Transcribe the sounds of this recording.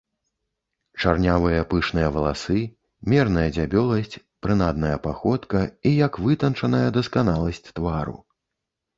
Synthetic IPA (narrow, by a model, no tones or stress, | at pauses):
t͡ʂarnʲavɨjɐpɨʂnɨjɐvɐlˠasɨ | mʲɛrnɐjɐd͡zʲabʲɔlˠɐsʲt͡sʲ | pɾɨnad̪̚nɐjɐpaxɔt̪kɐijɐkvɨt̪ɐnt͡ʂɐnɐjɐd̪ɐskanalˠɐsʲt͡sʲt̪vaɾṵ